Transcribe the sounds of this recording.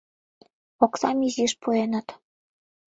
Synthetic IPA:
oksɑmiziʃpuenɤ̆t̪

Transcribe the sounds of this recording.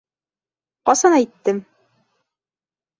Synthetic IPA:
qɑsɑnæjt̪ːɘm

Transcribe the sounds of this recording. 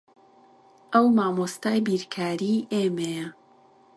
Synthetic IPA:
ʔəwmaːmost̪aːjbiːɾkʰaːɾiːʔeːmejɐ

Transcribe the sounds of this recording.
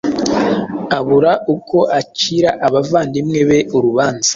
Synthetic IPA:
aβuɾaʔukʰo̞ʔaciɾaʔaβavaːndimŋe̞βe̞ʔuɾuβaːnzḁ

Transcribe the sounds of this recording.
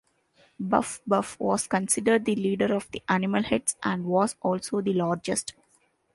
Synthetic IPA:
bʌ̰fbʌfʋɔːz̥kə̃nsɪɖəɾɖ̚d̪iliːɖəɾɔːʋd̪iʔænɪməlhɛɖsʔæ̃ɳɖʋɔːzʔɔːlsoːd̪ilaːɾd͡ʒesʈ

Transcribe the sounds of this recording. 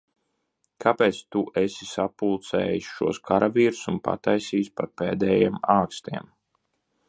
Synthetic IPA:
kʰapɛːt̪st̪uʔɛsʲisapulˠt̪sɛ̰ːjisʃuɔskʰaɾavʲiːɾusunpa̰t̪ajsiːspatpeːd̪ɛːjeːmaːkst̪iɛm

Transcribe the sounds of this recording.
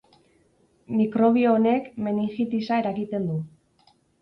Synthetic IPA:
mikɾo̞β̞io̞ːne̞kme̞niŋxit̪isae̞ɾakit̪e̞nd̪u

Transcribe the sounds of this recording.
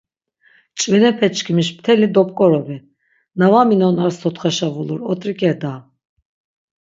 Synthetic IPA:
t͡ʃʼvɛnɛpʰɛt͡ʃʰʼkʰimiʃpt̪ʰɛlid̪ɔpʼkʼɔɾɔvi | navaminɔnaɾsʰɔt̪χaʃavuluɾɔt̪ʼɾikʼɛd̪a

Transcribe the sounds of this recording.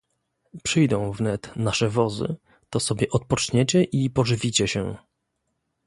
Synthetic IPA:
pʂɘjd̪ɔ̃w̃vnɛt̪naʂɛvɔzɘ̰ | t̪ɔsɔbʲjɛʔɔt̪̚pɔt͡ʂɲɛt͡ɕɛʔipɔʐɘvʲit͡ɕɛɕɛ̰

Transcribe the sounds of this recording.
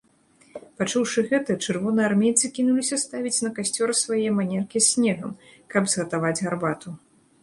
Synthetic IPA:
pat͡ʂuwʂɨɣɛt̪ɐt͡ʂɨrvɔnɨjarmʲejt̪sɨkʲinulʲisʲɐst̪avʲit͡sʲnɐkasʲt͡sʲɔɾɨsvajɛɛmanʲɛrkʲiɛsʲnʲɛɣɐmkɐbzɣɐt̪avad͡zʲɣarbat̪u

